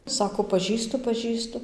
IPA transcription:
ˈsɑːkoː pɐˈʒʲiːstʊ pɐˈʒʲiːstʊ

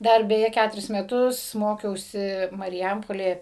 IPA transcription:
ˈdɐr bʲɛˈjɛ ˈkʲætʊrʲɪs mʲɛˈtʊs ˈmoːkʲɛʊsʲɪ mɐrʲɪˈjɛmpoːlʲeːjɛ

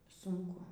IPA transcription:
ˈsʊŋkʊ

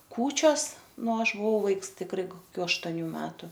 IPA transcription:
ˈkuːt͡ʃʲoːs ˈnʊ ˈɐʃ bʊˈʋɐʊ ˈʋɐɪks tʲɪkˈrɐɪ koːˈkʲuː ɐʃtoːˈnʲuː ˈmʲæːtʊ

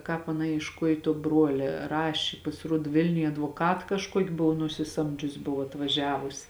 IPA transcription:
ˈkɑːp ɐˈnɐ iɛʃˈkuɔj tuɔ ˈbruɔlʲɛ ˈrɑːʃʲeː pɐsʲɪˈruɔt ˈʋʲɪlʲnʲʊj ɐdʋoːˈkɐt kɐʃˈkuɔkʲɪ ˈbʊʋoː nʊsʲɪˈsɐmʲd͡ʒʲʊsʲ ˈbʊʋoː ɐtʋɐˈʒʲæːʋʊs

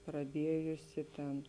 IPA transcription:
prɐˈdʲiɛjʊsʲɪ ˈtʲɛn

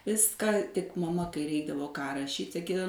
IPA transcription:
ˈʋʲɪskɐ tʲɪk mɐˈmɐ kɐɪ ˈrʲɛɪɡdɐʋoː kɑː rɐˈʃʲiːtʲ sɐˈkʲiːdɐw

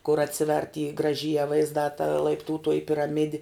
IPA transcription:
kʊr ɐtʲˈsʲɪʋʲɛrʲ tʲiː ɡrɐˈʒʲiːjɛ ʋɐɪzˈdɑː tɐ lˠɐɪpˈtuːtoːjɪ pʲɪrɐˈmʲɪdʲɪ

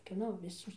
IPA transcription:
kʲiɛˈnoː ʋʲɪˈsoːs

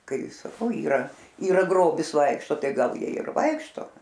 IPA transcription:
ˈkɐɪ sɐˈkɐʊ iːˈrɐ iːˈrɐ ˈɡroːbʲɪs ˈʋɐɪkʃtoː ˈtɐɪ ˈɡɐlˠ ˈjiɛ ɪr ˈʋɐɪkʃtoː

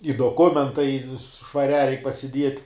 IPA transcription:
ɪ doːˈkʊmʲɛntɐɪ ʃʋɐˈrʲæː rʲɛɪk pɐsʲɪˈdʲiɛtʲ

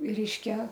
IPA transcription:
ˈrʲɛɪʃʲkʲɛ

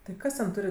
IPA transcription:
tɐɪ ˈkɐs tʲɛn ˈtʊrʲɪ

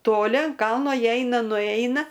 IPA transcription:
toːˈlʲɪ ɐn ˈkɐlˠnoː ˈjiɛ ˈɛɪnɐ nʊˈɛɪnɐ

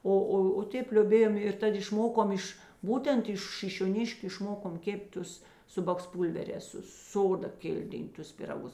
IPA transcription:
ˈoː ˈoː oː ˈtʲeːp lʲoːˈbʲeːjoːm ɪr ˈtɐt ɪʃˈmoːkoːm ˈɪʃ ˈbuːtʲɛnt ɪʃ ʃʲɪʃʲoːˈnʲɪʃʲkʲʊ ɪʃˈmoːkoːm kʲeːpʲtʲ ˈtʊs ˈsʊ bɐksˈpuːlʲʋʲɛrʲɛːs sʊ ˈsoːdɐ ˈkʲɪlʲdʲɪntʊs pʲɪrɐˈɡʊs

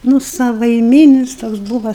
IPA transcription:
ˈnʊ sɐʋɐɪˈmʲiːnʲɪs ˈtoːks ˈbuːʋɐ

